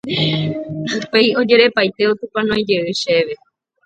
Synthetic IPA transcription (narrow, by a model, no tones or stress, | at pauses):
upe̞jo̞d͡ʒe̞ɾe̞pajt̪e̞ot̪ũpãnõj̃d͡ʒe̞ɨʃe̞ʋe̞